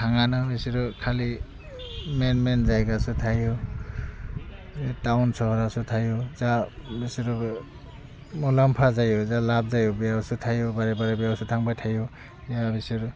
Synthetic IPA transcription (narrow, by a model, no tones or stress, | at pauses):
tʰaŋanɔbisiɾukʰali | menmenzajɡasutʰaju | tawnsɔhɔɾasutʰajuzabisiɾu | mulampʰazajɔzalab̚zajubijawsutʰajubaɾɛbaɾbjawsutʰaŋbajtʰaju | zabisiɾu